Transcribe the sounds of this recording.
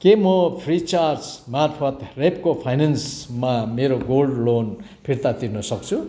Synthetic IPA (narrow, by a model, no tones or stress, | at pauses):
kemʌpʰrit͡sart͡smarpʰʌt̪repkopʰajnensmameɾoɡolɖlon | pʰirt̪at̪irnʌsʌk̚t͡sʰu